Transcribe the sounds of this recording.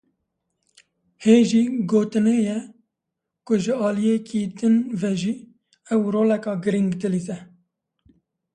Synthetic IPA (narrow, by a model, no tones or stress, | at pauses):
heːʒiːɡoːt̪ɨneːjɛ | kʊʒɪɑːlijeːkʰiːd̪ɨnvɛʒiː | ɛwɾoːlɛkɑːɡɨɾiŋɡd̪ɨliːsɛ